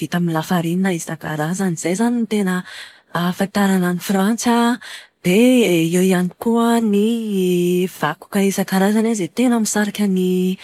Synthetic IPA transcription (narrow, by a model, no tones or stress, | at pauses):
v̥it̪amilafaɾininaisaka̰ɾazaniz̥ejzanint̪enə | fant̪aɾananifɾant͡sad̪̥eewianikuəni | v̥aku̥kaisakaɾazanazet̪enamisaɾakʲani